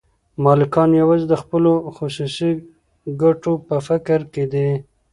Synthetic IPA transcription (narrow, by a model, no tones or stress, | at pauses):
mɑlɪkɑnjawɑzed̪əxpəloxʊsusi | ɡaʈopəfɪkɾked̪e